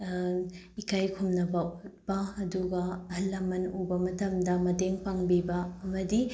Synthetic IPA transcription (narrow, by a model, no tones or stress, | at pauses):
ikajkʰumnɐbɐut̚pɐɐduɡɐɐhɐlːɐmɐnubɐmɐtɐmdɐmɐteŋpaŋbibɐɐmɐdi